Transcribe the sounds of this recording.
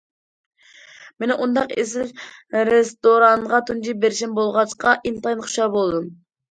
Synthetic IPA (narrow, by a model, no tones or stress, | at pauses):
menʔund̪ɑqḛsɪɾest̪oɾɑŋʁɑt̪ʰund͡ʒibeɾʃɪnbolˠʁɑt͡ʃqɑʔint̪ɑjnχʊ̥ʃɑbolˠd̪ɨm